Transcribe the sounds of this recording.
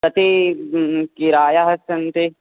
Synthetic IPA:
t̪ɐt̪e | kiɾaːjaɦɐsɐnt̪e

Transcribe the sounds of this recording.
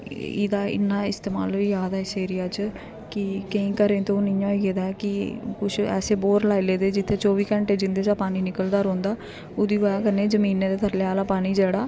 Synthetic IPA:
ɪ̰d̪aːɪ̰nːãːɪst̪eːma̰ːlʋiːjaːd̪ɛːɪseːɾɪjaːt͡ʃ | kɪkəĩːkəɾẽːt̪onɪ̃jãːɡeːd̪aɛkɪkʊt͡ʃʰɛ̰ːseːboːɾlaːileːd̪eːd͡ʒɪt̪ʰːeːt͡ʃɔːʋiːkɛ̃ːɳʈeːd͡ʒɪnd̪eːt͡ʃaːpaːniːnɪkəld̪aːɾõːnd̪aː | ʊd̪iːoːjãːkəɾneːd͡ʒəmiːneːd̪eːt̪ʰəɾleaːlaːpaːniːd͡ʒɛːɽaː

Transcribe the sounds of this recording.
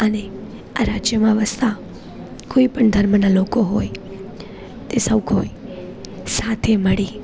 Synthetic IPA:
əne | a̰ɾad͡ʒjəmãʋəst̪ʰa | koipəɳd̪ʱəɾmənalokoɦoj | t̪esəwkʰoj | sat̪ʰeməɭi

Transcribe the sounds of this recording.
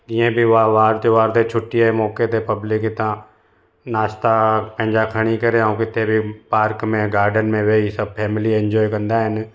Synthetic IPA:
ẽbʱiʋaːʋaːɾt̪eʋaːɾt̪et͡ʃʰʊʈːiɛmɔːket̪epɐblɪkɪt̪ã | naːst̪apɛ̃ːnd͡ʒakʰəɽ̃ikɐɾẽãːkɪt̪ːebʱipaːɾkmẽɡaːɾɖənmẽʋeisɐb̚pʰɛːmliɛ̃nd͡ʒɔːjkɐnd̪aɦɛn

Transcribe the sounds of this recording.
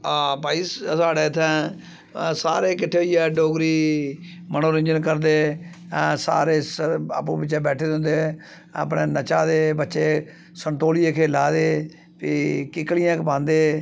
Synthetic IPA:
aːpaːiːsaːɽeːɪt̪ʰːɛ̃ː | saːɾeːkɪʈʰːeːɦoiɛːɖoːɡɾiː | mənoːɾɪ̃ɲd͡ʒənkəɾd̪eː | sa̰ːɾeːsa̰ːpũːbɪt͡ʃːt͡ʃẽːbɛːʈʰeːd̪ɦʊ̃nd̪e | ə̰ːp̬neːnət͡ʃaːd̪eːbətːʃeː | səɳʈ̪oːliːeːkʰeːlaːd̪eː | pikɪklɪjãːkbãːnd̪eː

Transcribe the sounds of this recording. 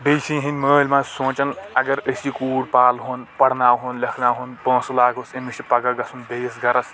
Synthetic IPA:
bejsĩɦinʲməːlʲmãsõːt͡ʃɐnɐɡɐɾəsikuːɽpaːlɦonpɐɽnaːɦuːnlɐkʰnaːɦunpõːslaːɡosɐmiʃipɐɡɐɡɐsunbeːsɡɐɾɐs

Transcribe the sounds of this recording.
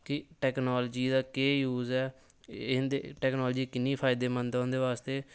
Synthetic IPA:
kɪʈɛːknoːld͡ʒiːd̪aːkeːjuːzɛː | nd̪ḛʈɛːknɔːld͡ʒiːkɪneːpʰaːɪd̪eːmənd̪ãːnd̪eːʋaːst̪eː

